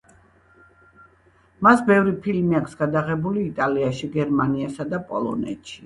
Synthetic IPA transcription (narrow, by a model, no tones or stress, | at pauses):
masbɛvɾipʰilmiakʷʰsɡ̥ad̪aʁɛbuliːt̪ʼaliaʃiɡɛɾmaniasad̪apʼɔ̰lˠɔ̰nɛ̰t̪ʃi̥